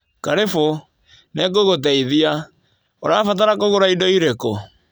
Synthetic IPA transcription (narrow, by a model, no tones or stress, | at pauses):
kaɾefo | nɛkoɣot̬ɛiðia | oɾafat̬aɾakoɣoɾaidɔiɾeko